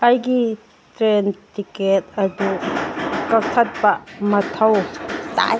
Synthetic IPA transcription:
ajɡi | tɾentiket̚ɐdu | kɐk̚tʰɐt̚bɐmɐtʰɐwta̰

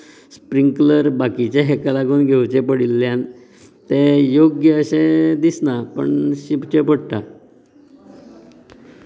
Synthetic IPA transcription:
spɾiŋkləɾbakit͡ɕeɦekəlakonɡʱewt͡ɕepəɽilːjan | t̪ejoɡjəəɕẽd̪isnapə̰ɳɕipt͡ɕepəɽʈ̪a

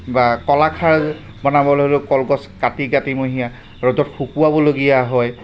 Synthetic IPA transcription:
bakɔlakʰaɹ | bɔnabɔlɦolʊkɔlɡɔskatiɡatimoɦija | ɹɔdɔtxʰupuwabɔloɡijaɦɔj

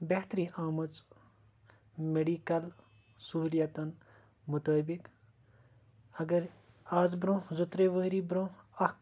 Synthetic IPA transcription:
beɦt̪ɾĩʔaːmɐt͡s | meɖikɐl | suɦljat̪ɐn | mut̪aːbik | ɐɡɐɾ | aːzbɾõːzut̪ɾeʋəɦɾibɾõɐ

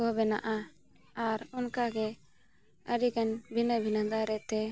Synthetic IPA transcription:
kɔbɛna̰ʔa | aɾunkaɡɛ | əɾikanbʱinəbʱinənd̪aɾɛt̪ɛ

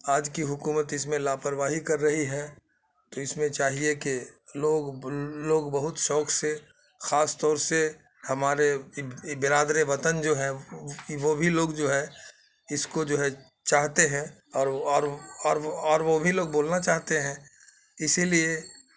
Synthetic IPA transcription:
aːd͡ʒkiɦʊkuːmət̪ɪsmẽlaːpəɾʋaːɦikɐɾːɐɦiɦɛː | t̪oɪsmẽt͡ʃaːɦiekeloːɡloːɡbəɦʊt̪ʃɔːkʰse | xaːst̪ɔːɾse | hɐmaːɾebɪɾaːd̪ɾeʋɐt̪ənd͡ʒoːɦɛʋobʱiloːɡd͡ʒoːɦɛ | ɪskod͡ʒoːɦɛ | t͡ʃaːɦt̪eɦɛ̃ | ɔːɾɔːɾɔːɾɔːɾʋobʱiloːɡ̚boːlnat͡ʃaːɦt̪eɦɛ̃ː | ɪsilie

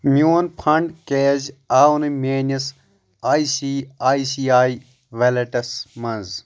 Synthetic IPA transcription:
mjoːnpʰɐɳɖkeːzaːwnɨmeːnɐs | aːisiːaːisiːaːi | ʋelɐʈɐsmɐnz

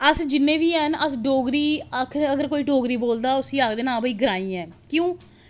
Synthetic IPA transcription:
əsd͡ʒɪnːẽːʋiːɛnəsɖoːɡɾiːəkʰəɡəɾkoːiːɖoːɡɾiːboːld̪aːʊsiːaːkd̪eːnãːbəiːɡəɾaːĩːɛ̃ːkjõː

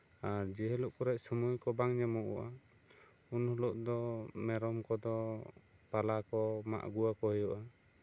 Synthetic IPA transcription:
aɾd͡ʒɛɦɛluʔkɔɾɛʔ̚sɔmujkɔbaŋɲɛmɔʔɔ̰ʔa | unhɔlɔʔd̪ɔmɛɾɔmkɔd̪ɔ | palakɔma̰ʔɡuwakɔhɔjɔʔa

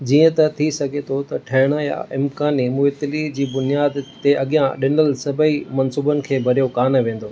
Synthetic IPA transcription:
d͡ʑiːə̃t̪ɐt̪ʰisɐɡʱet̪ʰot̪ɐʈʰɐɦɪɽ̃əja̰ʔɪmkaːnimʊɦɪt̪ɪlid͡ʑiːbʊnijaːd̪t̪ːeʔɐɠijãɗɪnəlsɐbʱəimɐnsuːbənɪ̆kʰeːbʱɐɾijokaːnʋẽːn̆d̪oː

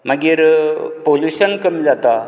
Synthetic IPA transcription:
məɡiɾpoljuɕənkəmid͡zat̪a

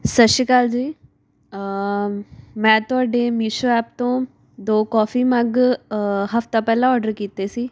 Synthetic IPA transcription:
sətʃiːkaːld͡ʒiː | mɛ̃ːt̪ʊaːɖeːmiːʃoːɛːpt̪õː | d̪oːkɔːfiːməɡ | ɦəft̪ãːpɛːlãːɔːɖəɾkiːt̪eːsiː

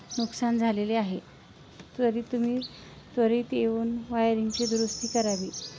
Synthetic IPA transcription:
nuksand͡zʱaleleaɦe | t̪əɾiːt̪um̤iː | t̪ʋəɾiːt̪eʋuːnʋajɾiŋɡt͡ɕed̪ɾust̪iːkəɾaʋiː

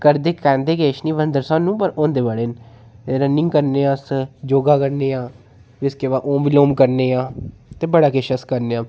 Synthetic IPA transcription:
kəɾd̪eːkɛ̃ːnd̪eːɡeːʃnĩːʋənd̪əɾsãːnũːpəɾõːnd̪eːʋaɽeːn | ɾənːɪ̃ŋɡkəɾneːãːsd͡ʒoːɡaːkəɾneːãː | ʋɪskeːʋaːʔõːbiloːmkəɾneːãːt̪eːbəɽaːkeʃəskəɾneːãː

